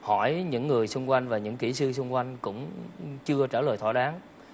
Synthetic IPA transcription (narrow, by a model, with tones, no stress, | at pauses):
hɔ˧˩jɲɨ̰˧˥ŋːɨ˨˩əjsʊ˧ŋ͡mkwa˧jŋ̟vaː˨˩ɲɨ̰˧˥ŋki˧˩sɨ˧s̬ʊ˧ŋ͡mkwa˧jŋ̟kʊ̰˧˥ŋ͡mt͡ɕɨ˧ət͡ɕaː˧˩ləː˨˩jt̪ʰɔ˧˩ɗaː˨˦ŋ